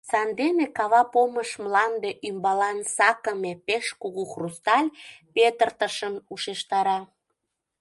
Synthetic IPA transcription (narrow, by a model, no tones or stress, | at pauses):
sɑnd̪enekɑβɑpoməʃmlɑnd̪eʔymbɑlɑnsɑkəmepeʃkuɣuxrust̪ɑlʲpet̪ərt̪əʃənuʃeʃt̪ɑɾɑ